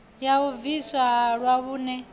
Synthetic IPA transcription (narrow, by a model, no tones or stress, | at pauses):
jauviswaɺwaβuːnɛ